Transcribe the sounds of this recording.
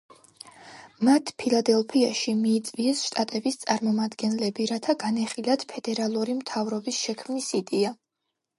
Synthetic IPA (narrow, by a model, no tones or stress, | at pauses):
mat̪ʰpʰilˠad̪ɛlˠpʰiaʃimiːt̪sʼviɛsʃt̪ʼat̪ʼɛbist̪sʼaɾmɔmad̪ɡɛnlɛbiɾat̪ʰaɡanɛχilad̪̥pʰɛd̪ɛɾalˠuɾimt̪ʰavɾɔbisʃɛkʰmnisid̪ʼɛa